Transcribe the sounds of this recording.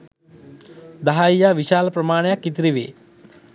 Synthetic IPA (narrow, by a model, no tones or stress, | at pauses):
d̪ɐɦaːijaːʋiʃaːlpɾɐmaːɳjakit̪ɾiʋḛː